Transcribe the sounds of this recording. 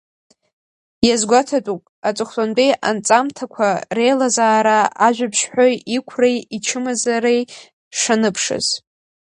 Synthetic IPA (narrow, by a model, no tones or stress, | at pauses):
jazɡʷatʰatʼupʼat͡sʼɨχtʼandʼejʔa̰nt͡sʼamtʰakʷʰare̞jlazaːɾaaʒᶣʷapʰʃħojikʷʰrejit͡ʃʰɨmazaɾej | ʂanɨpʰʂɨ̰z̥